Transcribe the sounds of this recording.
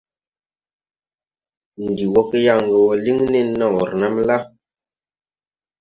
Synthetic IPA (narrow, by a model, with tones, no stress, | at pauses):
n˨di˨wɔ˦ke˦ja˦˨ŋ˨ɡə˨wɔ˨li˦ŋne˦˨nːa˦˨wɔ˨ɾna˦mla˦